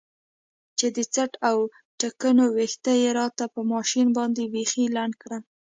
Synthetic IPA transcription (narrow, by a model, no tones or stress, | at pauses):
t͡ʃed̪ət͡saʈaw | ʈakənowext̪ajeɾɑt̪apəmɑʃinbɑnd̪ebexilaɳɖkɽa